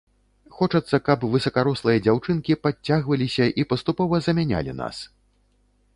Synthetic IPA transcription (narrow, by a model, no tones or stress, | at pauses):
xɔt͡ʂɐt̪sːɐkɐpvɨsɐkaɾɔslˠɨjɐd͡zʲawt͡ʂɨnkʲipat͡sʲːaɣvɐlʲisʲɐʔipɐst̪upɔvɐzɐmʲanʲa̰lʲḭna̰s